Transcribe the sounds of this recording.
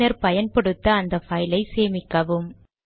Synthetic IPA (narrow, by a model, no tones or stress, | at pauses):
ɐɾpɐjɐnpɐɽɯt̪ːɐːnd̪ɐfɐjɪlɐɪseːmɪkːɐʋɯm